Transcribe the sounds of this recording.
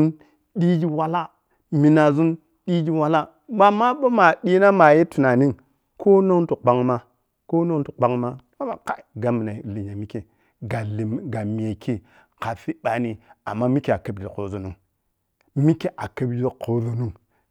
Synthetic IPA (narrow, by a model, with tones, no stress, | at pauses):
n | ɗi˦d͡ʒi˦wa˨la˦ | mi˨na˨zu˦n | ɗi˦d͡ʒi˦wa˨la˦ | ma˨ma˦ɓo˦ma˨ɗi˦na˦ma˨je˦tu˨na˨ni˦ŋ | kʰo˦no˦n˦tu˨k͡pa˦ŋma˦ | ko˦no˦tu˨k͡pa˦ŋma˦ | a˦ma˨ka˦˨ɡa˨mi˨na˨li˨ɲa˨mi˦ke˨ | ɡa˨ɡa˨mi˨e˨kʰi˦ | ka˨fi˦ɓa˨ni˨a˨mːa˦mi˦ke˦a˨kə˨˦bd͡ʒi˨ko˨zo˨nu˦ŋ | mi˦ke˦ʔa˨kə˦bd͡ʒi˦ko˨zo˦nu˦ŋ